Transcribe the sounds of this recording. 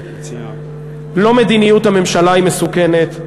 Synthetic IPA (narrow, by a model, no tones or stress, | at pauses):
lo̞me̞d̪inijut̪hame̞mʃalaimesukene̞t̪